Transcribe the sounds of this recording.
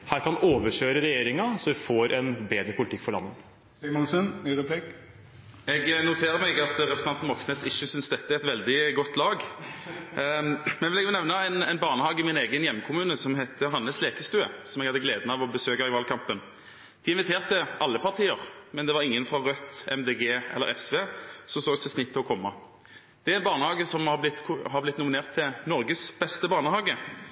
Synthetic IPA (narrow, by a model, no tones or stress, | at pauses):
hæːɾkɑnoːʋəʂøːɾəɾɛjeːɾɪŋɑsɔʋɪfoːɾʔɛnbeːd̪ɾəpʰʊlɪt̪ɪkːfɔɾɭlɑ̰nːə | sɛmɔnsənɾəpʰlik | ɛɡnʊt̪ʰeːʁəmɛɡɑt̪ʁɛpɾsɑnt̪nʋɔksnɛsɪçːəsʏnsd̪ɛt̪ːəæɛt̪ʋɛld̪ɪɡɔt̪ːlɑːɡ | mɛnʋɪlɛɡjʊnɛʋnəɛɪnɛɪnbɑːʁnəhɑːɡɪmɪneːɡənjɛmːəkʰʊmʉːnəsɔmɦɛt̪ːəɦɑnːəsleːkəst̪ʉːəsɔmɛɡhɑd̪ːəɡleːd̪ənɑːʋɔbəsøːkɑɪʋɑːlkʰɑmpən | d̪̥iːɪnʋɪt̪ʰeːʁt̪əʔɑlːəpɑʁt̪ʰiːəʁmɛnd̪ɛʋɑʁɪŋːənfʁɑʁœt̪ːɛmd̪eːɡeːɛ̰ləɾɛsʋeːsɔmsoːɡst̪ʰɛsnɪt̪ʰːɪlɔkʰɔmːɑ | d̪̥ɛæɾæɛnbɑːʁnəhɑːɡəsɔmhɑblɪt̪ːʰhɑʁblɪt̪nʊmɪneːʁt̪ʰːɪnɔɾɡəsb̥ɛst̪əbɑːʁnəhɑːɡə